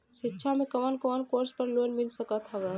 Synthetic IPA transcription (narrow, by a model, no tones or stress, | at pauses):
ʃɪtːʃʰamẽkəʋənkəʋənkoːɾspəɾloːnmɪlsəkət̪ɦəʋə